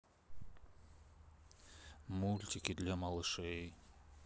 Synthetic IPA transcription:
mulʲt̪ʲɪkʲɪd̪lʲamɐlˠɨʂɛj

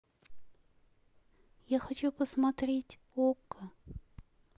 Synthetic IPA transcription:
jaxɐt͡ɕupəsmɐt̪ɾʲetʲ | okːə

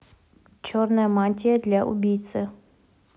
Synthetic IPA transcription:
t͡ʃʰɔrnɐjɐmanʲtʲijɐd̪lʲaʔṵbʲijt̪sɨ

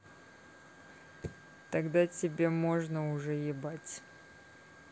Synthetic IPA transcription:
t̪ɐɡd̪atʲɪbʲemo̞ʐnəʊʐɛjɪbatʲ

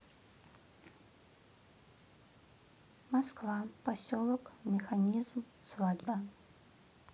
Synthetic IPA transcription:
maskvapasʲɔlˠɔkmʲɛxanʲizmsvad̪ba

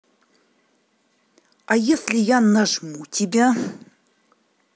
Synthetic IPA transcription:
ajeslʲijanːaʐmutʰibʲa

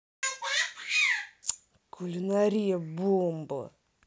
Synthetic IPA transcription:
kulʲinaɾʲijɐbumb̰

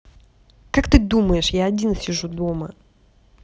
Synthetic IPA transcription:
kakt̪ɨd̪uməjɪʂjaɐdʲinsʲɪʐud̪o̞mə

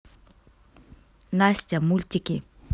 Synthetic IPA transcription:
nasʲtʲamulʲtʲiki

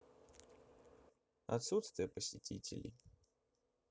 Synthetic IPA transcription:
ɐ̰t̪sut̪st̪vʲɪjəpəsʲɪtʲitʲɪ̰lʲɪ̰

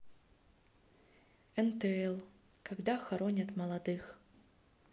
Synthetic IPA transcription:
ɛnt̪ɛɛlˠ | kaɡd̪axaɾɔnʲɐt̪mɐlˠad̪ɨx

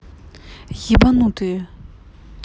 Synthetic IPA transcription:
jiʔpanɑŋt̪y

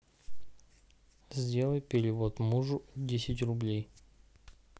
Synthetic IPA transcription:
zʲdʲe̞lˠəjpʲɪɾʲɪvot̪muʐʊdʲesʲɪtʲrʊblʲej

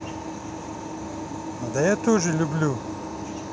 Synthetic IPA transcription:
d̪ɐjat̪oʐilublu

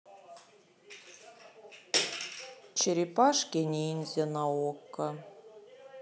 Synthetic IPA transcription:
t͡ɕeɾʲipɑʂkʲenʲiinʲzʲenɑokːɤ̆

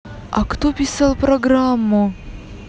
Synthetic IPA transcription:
ɐ̰kt̪opʲɪsalˠpɾɐɡɾamːʊ

